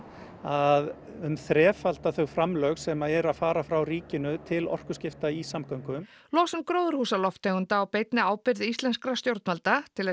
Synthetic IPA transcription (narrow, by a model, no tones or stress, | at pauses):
að | ʏmθɾɛːfalt̪aθœɣfɾamlœɣsɛmaɛɾaðfaːɾafɾawriːcɪnʏt̪ʰɪlɔ̰r̥kʏscɪft̪aisamkawŋkʏm | lɔːsʏmkɾowðʏɾ̥huːsalɔft̪ʰːeɣʏnt̪aːwpejt̪nɪaːwpɪɾðɪist̪lɛnskɾast̪jowɾt̪nalt̪at̪ʰɪlɛ